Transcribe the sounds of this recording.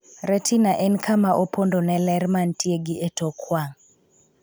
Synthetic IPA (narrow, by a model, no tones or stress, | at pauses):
ɾɛtinaʔɛnkʰamaʔopondonɛlɛrmantjeɡɪʔetɔkʰwaŋ